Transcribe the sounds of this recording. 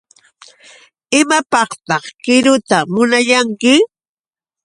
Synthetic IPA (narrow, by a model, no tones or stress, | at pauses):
ɪmapɑχt̪ɑχkɪɾʊt̪amʊnaʎaŋkɪ